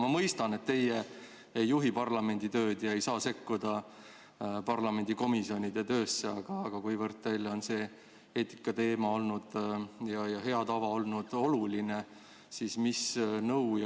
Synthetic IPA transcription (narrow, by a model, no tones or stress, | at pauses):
mɑmɤjst̪ɑne̞t̪ːe̞je | ejːuɦipɑrlɑme̞nʲd̪̥it̪øːd̪̥jɑe̞jsɑːse̞kːud̪̥ɑ | pɑrlɑme̞nʲd̪̥iko̞misio̞nʲid̪̥et̪ø̞ːsːeɑɡ̥ɑːɡ̥ɑkujvɤrt̪̚t̪ːejlːeo̞nse̞ː | eːt̪ːi̥kːˑɑt̪e̞ːmɑo̞lnud̪̥jɑjɑɦe̞ɑt̪ɑvɑo̞lnud̪̥o̞luline | sismisnɤwj